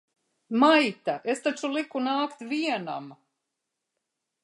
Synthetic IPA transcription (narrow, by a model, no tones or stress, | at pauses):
majt̪aʔest̪at͡ʃulikunaːkt̪viɛna̰m